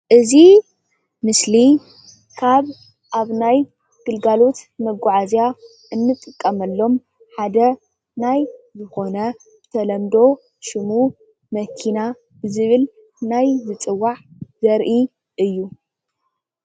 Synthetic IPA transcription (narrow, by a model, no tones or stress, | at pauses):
ʔɨzi | mɨsli | kʰaβ | ʔaβnaj | ɡ̥ɨlɡalo̞t̪mɐɡːʊʕazja | ʔɨnːɨt̪ʼːɨkʼːɐmɐlːo̞m | ħad̪ɐ | najzɨxo̞nɐ | bɨt̪ʰɐlɐmd̪o̞ | ʃɪmu | mɐkʰina | bɨzɨβɨl | najzɨt͡sʼɨwːaʕzɐɾʔi | ʔɨjːu